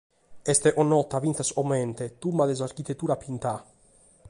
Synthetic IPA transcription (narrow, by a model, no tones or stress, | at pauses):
ɛst̪eʔonɔt̪avinθasoment̪et̪umbad̪ezaɾkit̪et̪ːuɾapint̪a